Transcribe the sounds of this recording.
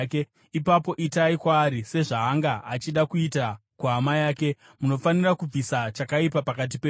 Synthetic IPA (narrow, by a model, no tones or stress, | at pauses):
ke | ipapo̞ʔitaikwaːɾise̞ʐaɦaŋɡaat͡ʃiɗakuita | kuɦamajaːke̞ | muno̞fanirakub͡visat͡ʃakaipapakat̬ipe